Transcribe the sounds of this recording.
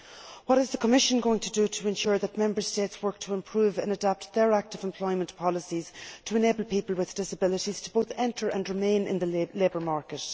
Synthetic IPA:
wɒɾɪzðəkʰəmɪʃə̃nɡoʊɪ̃ŋtʰədəɾʰəɛ̃nʃʊɹðət̚mɛ̃mbə˞steːtswɜ˞k̚tʰəɪ̃mpʰɹ̥uːvə̃nədap̚tðə˞ak̚tɪvɛ̃mpʰl̥ɔɪmə̃npʰɑləsiz̥tʰəɛneːbəlˠpipəlˠwɪðd̥ɪsəbɪlɪɾiz̥tʰəb̥oʊθɛ̃ntʰə˞ʔə̰̃nɹɪmẽɪ̃nɪ̰̃nðəleːbə˞maɹkət

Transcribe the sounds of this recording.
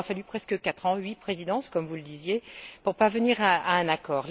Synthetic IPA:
afalypχɛskəkat̪χɑ̃ɥipχezid̪ɑ̃skɔmvuləd̪izjepuʁpaʁvəniʁaaɛ̃nakɔːʁl

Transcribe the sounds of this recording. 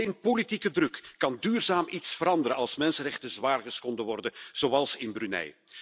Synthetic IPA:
enpolitikədrɵkːɑndyːrzaːmʔitsfəɾɑndəɾənɑlˠsmɛnsənrɛχtənzʋaːrɣəsxɔndəʋɔrdəz̥owɑlˠsɪnbrynɛ̰j

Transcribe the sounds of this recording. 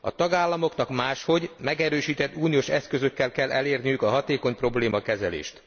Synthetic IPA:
ɒ̰t̪ɒɡaːlːɒmo̞knɒkmaːʃho̞ɟmɛɡɛɾøːʃiːt̪ɛt̪ːuːnijoʃɛskø̞zøkːɛlkɛlːʔɛleːrnijykɒɦɒt̪eːko̞ɲpro̞bleːmɒkɛzɛlḛːʃt̪

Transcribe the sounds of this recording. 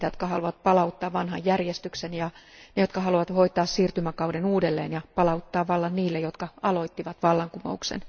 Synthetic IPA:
t̪jot̪kɑhɑluʋɑt̪̚pɑlɑut̪ːɑːʋʋɑnhɑjjærjest̪yksenjɑnejo̞t̪kɑhɑluʋɑt̪ʋoit̪ˑɑːssiːrt̪ymækɑuwdenuːdelːḛːnjɑpɑlɑut̪ːɑːʋʋɑlːɑnniːlːejot̪kɑɑloit̪ːiʋɑt̪ʋɑlːɑŋkumo̰uksḛn

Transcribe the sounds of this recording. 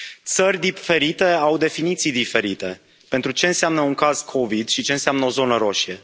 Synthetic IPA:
t̪sərʲd̪ife̞ɾit̪e̞awd̪e̞finit̪sijd̪ife̞ɾit̪e̞ | pe̞nt̪ɾut͡ʃe̞ɨnseamnəuŋkaz̥kʰo̞vid̪ʃit͡ʃeɨnseamnəo̞zo̞nəɾo̞ʃie̞

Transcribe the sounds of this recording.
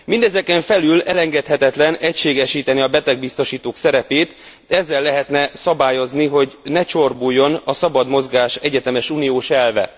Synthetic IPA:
mind̪ɛzɛkɛɱfɛlylɛlɛŋɡɛt̪hɛt̪ɛt̪lɛnɛcʃeːɡɛʃiːt̪ɛniɒbɛt̪ɛɡ̚bist̪o̞ʃiːt̪oːksɛɾɛpeːt̪ | ɛzːɛlːɛɦɛt̪nɛsɒbaːjo̞zniɦo̞ɟnɛt͡ʃo̞rbujːo̞nɒsɒbɒd̪mo̞zɡaːʃɛɟɛt̪ɛmɛʃuːnijoːʃɛlvɛ̰

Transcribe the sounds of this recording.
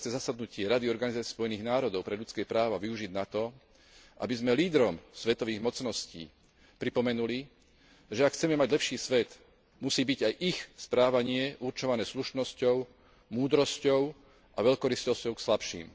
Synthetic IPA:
t͡sɛzasad̪nucɪɛɾad̪iɔɾɡanizat͡sɪspɔjɛniːɣnaːɾɔd̪ɔʊpɾɛʎut͡skɛːpɾaːʋaʋiuʒid̪nat̪ɔ | ʔa̰bizmɛliːd̪ɾɔmsʋɛt̪ɔʋiːɣmɔt͡snɔscḭː | pɾipɔmɛnuli | ʒɛakxt͡sɛmɛmaɟlɛpʃiːsʋɛt̪ | musiːbiɟajʔixspɾaːʋaɲɪɛʔuɾt͡ʃɔʋanɛːsluʃnɔscɔʊ | muːd̪ɾɔscɔʊ | ʔaʋɛʎkɔɾiscɔscɔʊkslapʃḭːm

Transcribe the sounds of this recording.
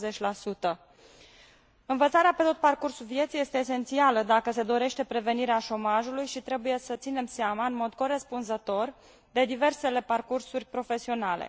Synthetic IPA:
zet͡ʃʲlasut̪ə | ɨnvət̪saɾeape̞t̪o̞t̪̚parkursulvje̞t̪sije̞st̪eːs̬e̞nt̪sialəd̪akəse̞d̪o̞ɾe̞ʃt̪e̞pɾe̞ve̞niɾeaʃo̞maʒulujʃit̪ɾe̞buje̞sət̪sine̞mseamaɨnmo̞d̪ko̞ɾe̞spunzət̪o̞r | d̪e̞d̪ive̞rse̞le̞parkursurʲpɾo̞fe̞sio̞nalḛ

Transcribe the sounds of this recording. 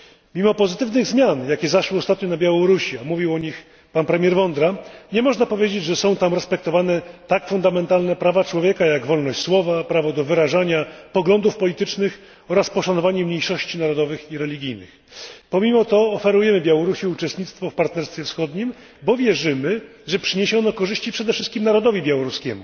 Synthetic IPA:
mʲimɔpɔzɘt̪ɘvnɘɣzmʲjanjakʲɛzaʂwɘɔst̪at̪ɲɔnabʲjawɔɾuɕiamuvʲiwɔɲix | panpɾɛmʲjɛɾvɔnd̪ɾaɲɛmɔʐnapɔvʲjed͡ʑed͡ʑʐɛsɔ̃w̃t̪amɾɛspɛk̚t̪ɔvanɛt̪akfund̪amɛnt̪alnɛpɾavat͡ʂwɔvʲjɛkajaɡvɔlnɔɕt͡ɕswɔvapɾavɔd̪ɔvɘɾaʐaɲapɔɡlɔnd̪ufpɔlʲit̪ɘt͡ʂnɘx | ɔɾaspɔʂanɔvaɲɛmɲejʂɔɕt͡ɕinaɾɔd̪ɔvɘxiɾɛlʲiɡʲijnɘ̰x | pɔmʲimɔt̪ɔːfɛɾujɛmɘbʲjawɔɾuɕiut͡ʂɛst̪ɲit̪st̪fɔfpaɾt̪nɛɾst̪fʲjɛfsxɔd̪ɲim | bɔvʲjɛʐɘmɘʐɛpʂɘɲeɕɔnɔkɔʐɘɕt͡ɕipʂɛd̪ɛfʂɘst̪̚kʲimnaɾɔd̪ɔvʲibʲjawɔɾuskʲɛmu

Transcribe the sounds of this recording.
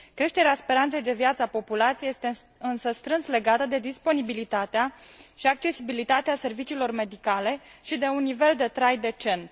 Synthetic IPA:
kɾe̞ʃt̪e̞ɾeaspe̞ɾant̪se̞jd̪e̞vjat̪səapo̞pulat̪sijeje̞st̪e | ɨnsəst̪ɾɨnsle̞ɡat̪əd̪ed̪ispo̞nibilit̪at̪eaʃiak̚t͡ʃe̞sibilit̪at̪ease̞rvit͡ʃiːlo̞rme̞d̪ikale̞ʃid̪e̞unːive̞ld̪e̞t̪ɾajd̪e̞t͡ʃe̞nt̪

